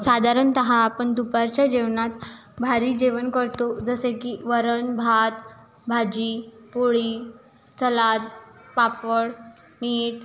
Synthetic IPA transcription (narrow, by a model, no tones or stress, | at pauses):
sad̪ʱaɾənt̪əɦaːpəɳd̪upaɾt͡ɕjad͡ʑeʋnat̪bʱaɾiːd͡ʑeʋənkəɾt̪od͡zəsekiːʋəɾənbʱat̪ | bʱad͡ʑiːpoɭiː | t͡səlat̪̚papəɽ | niːʈ